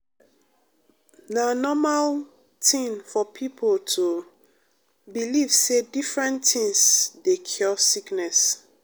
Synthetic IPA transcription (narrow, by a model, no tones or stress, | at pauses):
nanɔmal | tʰĩnfɔpʰipʰoltʰu | bilivsedifɹɛ̃ntʰĩŋsdekʰɔsiknɛs